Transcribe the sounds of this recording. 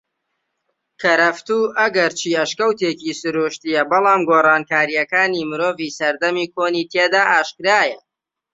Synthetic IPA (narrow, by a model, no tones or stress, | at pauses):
kʰɐɾɐft̪uːʔɐɡɐɾt͡ʃʰiːɐʃkɐwt̪ecisɨɾuːʃt̪ijɐbɨlˠɑːmɡoːrɑːnkaːɾijɐkaːnimɨɾoːviːsɐɾd̪ɐmiːkʰoːniːt̪ʰeːd̪aːʔaːʃkɾaːjɐ